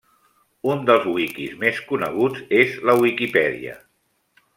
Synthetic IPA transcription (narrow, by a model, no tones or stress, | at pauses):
und̪əlˠzwikizmeskunəɣ̞ud͡zezləwikipɛðḭə̰